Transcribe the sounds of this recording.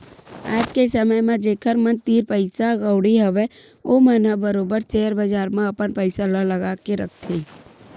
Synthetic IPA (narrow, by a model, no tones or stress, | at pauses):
aːd͡ʒkesəməjmẽd͡ʒeːkʰəɾmənt̪iːɾpəɪsaɡəʊɽiɦəʋe | omənɦəbəɾoːbəɾt͡ʃeːɾbəd͡ʒaːɾmẽɐpənpəɪsalələɡaːkeɾə̰k̚ʰt̪ʰiː